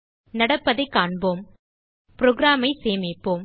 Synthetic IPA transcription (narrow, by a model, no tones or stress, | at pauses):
nɐɽɐpːɐðɐɪkːaːɳboːm | pɪɾɔɡɪɾaːmɐɪseːmɪpːoːm